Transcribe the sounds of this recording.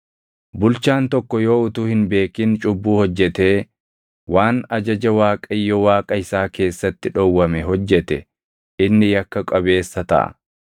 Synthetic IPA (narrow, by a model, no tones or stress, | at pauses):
bʊlt͡ʃaːnt̪ɔkːɔjoːʊt̪uːhɪnbe̞ːkɪnt͡ʃʼʊbːuːhɔd͡ʒːɛt̪e̞ː | waːnɐd͡ʒɐd͡ʒɐwaːkʼɐjːɔwaːkʼɐɪsaːke̞ːsːɐt̪ːɪᶑɔwːɐmɛɦɔd͡ʒːɛt̪ɛ | ʔɪnːɪjɐkːɐkʼɐβe̞ːsːɐt̪ɐ̰ʔɐ̰